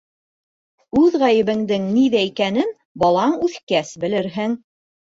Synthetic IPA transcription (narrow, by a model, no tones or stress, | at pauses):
ʉðʁæjɘ̆βɘ̆ŋd̪ɘŋniðæikænɘn | bɑlˠɑɴʉθkæsbɘ̆lɘ̆ɾɦɘŋ